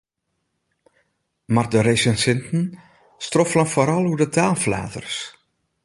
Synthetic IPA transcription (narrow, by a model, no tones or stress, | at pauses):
mardəɾejsənsɪntn̩ | strɔflənfoɾɑlˠudətʰaːlfla̰ːdə̰rs